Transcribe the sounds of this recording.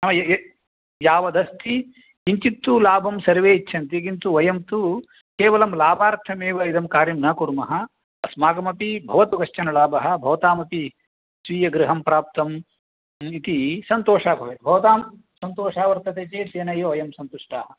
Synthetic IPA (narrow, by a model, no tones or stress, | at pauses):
nɐmɐj | jaːʋɐd̪ɐst̪i | iɲt͡ʃit̪ːulaːbʱɐmsɐɾʋeːit͡ʃːʃʰɐnt̪ikint̪uʋɐjɐmt̪u | keːʋɐlɐmlaːbʱaːɾt̪ʰɐmeːʋɐid̪ɐmkaːɾjɐmnɐːkuɾmɐɦɐ | ɐsmaːɡɐmɐpibʱɐʋɐt̪uɡɐʃt͡ʃɐnɐlaːbʱɐɦɐ̆bʱɐʋɐt̪aːmɐpi | sʋiːjɐɡɾɪɦɐmpɾaːp̚t̪ɐm | it̪isɐnt̪oːʂaːbʱɐʋeːbʱɐʋɐt̪aːm | sɐnt̪oːʂaːʋɐɾt̪ɐt̪eːt͡ʃeːt̪eːnɐjoʋɐjɐmsɐnt̪uʂʈaːɦɐ